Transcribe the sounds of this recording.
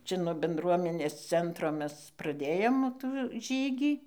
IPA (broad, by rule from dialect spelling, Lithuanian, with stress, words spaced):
ˈt͡ʃʲɛ ˈnuɔ bʲɛnˈdruɔmʲɛnʲeːs ˈt͡sʲɛntroː ˈmʲɛs prɐˈdʲeːjoːm tuː ˈʒʲiːɡʲiː